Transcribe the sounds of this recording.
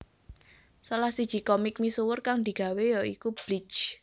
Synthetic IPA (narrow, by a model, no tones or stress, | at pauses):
salahsid̥ʒ̥ikɔmɪk̚misuwʊrkaŋd̪i̤ɡ̥a̤wejɔikub̥lɪ̥t͡ʃ